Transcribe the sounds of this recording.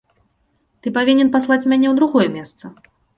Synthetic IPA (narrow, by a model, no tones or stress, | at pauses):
t̪ɨpavʲinʲɛnpaslˠat͡sʲmʲanʲɛwd̪ɾuɣɔjɛmʲɛst̪sɐ